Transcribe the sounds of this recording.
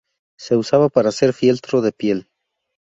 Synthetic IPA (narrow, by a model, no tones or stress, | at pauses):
se̞usaβapaɾase̞ɾfje̞lt̪ɾoðe̞pje̞l